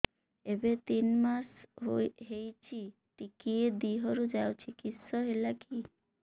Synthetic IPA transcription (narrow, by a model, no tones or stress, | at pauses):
ebet̪inmas | ɦejt͡ɕʰi | ʈikied̪iɦoɾud͡ʑawt͡ɕʰikit̪ʃɔɦelaki